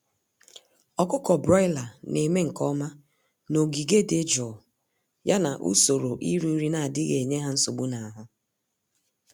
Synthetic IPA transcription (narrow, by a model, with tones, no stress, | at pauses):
ɔ˨kʊ˦kɔ˨bɾɔ˦ɪ˦la˨ne˨me˦ŋ̩˨kɔ˦ma˦ | no˨ɡi˨ɡe˦de˦d͡ʒɔ˨ | ja˦na˨ʔṵ˦so˨ɾo˨ʔi˦ɾu˦ɾi˦na˨a˨dɪ˦ɣe˨ɲe˦ɦa˦n̩˦so˨ɡ͡bu˦na˨ɦʊ˦